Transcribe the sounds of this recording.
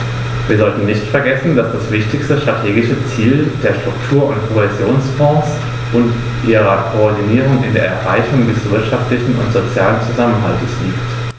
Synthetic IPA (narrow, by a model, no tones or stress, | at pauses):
viːɐzɔltn̩nɪçtfɛɐɡɛsn̩dasd̥asv̥ɪçtɪçstəʃtʁ̥atʰeːɡɪʃət͡siːld̥eːɐʃtʁ̥ʊktʰuːɐʊntkʰohɛzjoːnsfɔ̃ːs | ʔʊnt | ʔiːʁɐkʰoɔɐdiniːʁ̞ʊŋɪ̰ndḛːɐʔɛ̰ɐʁa̰ɪçʊŋdɛsv̥ɪɐtʃaftlɪçn̩ʊ̰ntz̥ot͡sjaːlənt͡suzamənɦa̰ltəsliːkt